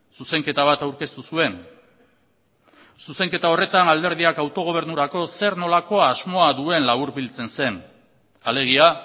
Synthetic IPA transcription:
suse̞ŋke̞t̪aβ̞at̪awɾke̞st̪usue̞n | suse̞ŋke̞t̪ao̞re̞t̪anald̪e̞ɾð̞iakawt̪o̞ɣ̞o̞β̞e̞ɾnuɾako̞se̞ɾno̞lako̞aːzmo̞aðue̞nlaβ̞uɾbilt͡se̞nse̞n | ale̞ɣ̞ia

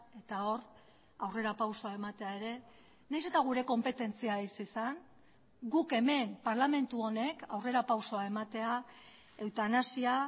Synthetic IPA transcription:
e̞t̪ao̞r | awre̞ɾapawso̞ae̞mat̪e̞ae̞ɾe̞ | najse̞t̪aɣ̞uɾe̞ko̞mpe̞t̪e̞nt͡siaisisan | ɡuke̞me̞mpaɾlame̞nt̪uo̞ne̞kawre̞ɾapawso̞ae̞mat̪e̞a | e̞wt̪anasia

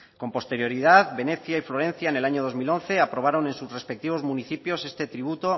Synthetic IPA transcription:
ko̞mpo̞st̪e̞ɾjo̞ɾiðaðβe̞ne̞θjaiflo̞ɾe̞n̟θjaenelaɲoð̞o̞zmilo̞n̟θe̞apɾo̞β̞aɾo̞ne̞nsusre̞spe̞k̚t̪iβ̞o̞zmuniθipjo̞se̞st̪e̞t̪ɾiβ̞ut̪o

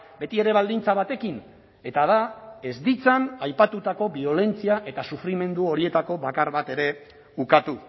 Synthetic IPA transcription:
be̞t̪ie̞ɾe̞β̞ald̪int͡saβ̞at̪e̞kin | e̞t̪að̞ae̞zd̪it͡sanajpat̪ut̪ako̞βio̞le̞nt͡siaʔe̞t̪asufɾime̞nd̪uo̞ɾie̞t̪ako̞βakaɾβat̪e̞ɾe̞ | ukat̪u

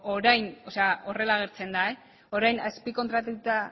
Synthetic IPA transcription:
o̞ɾajno̞seao̞re̞laːɣ̞e̞ɾt͡se̞nd̪ae | o̞ɾajnaspiko̞nt̪ɾat̪ut̪a

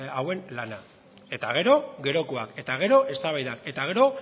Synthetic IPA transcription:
awe̞nlana | e̞t̪aɣ̞e̞ɾo̞ɡe̞ɾo̞koake̞t̪aɣ̞e̞ɾo̞ʔe̞st̪aβajðake̞t̪aɣ̞e̞ɾo̞

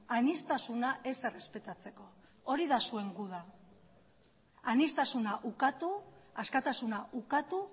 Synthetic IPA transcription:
anist̪asunaʔe̞sere̞spe̞t̪at͡se̞ko̞ | o̞ɾiðasue̞ŋɡuð̞a | anist̪asunaʔukat̪uaskat̪asunaʔukat̪u

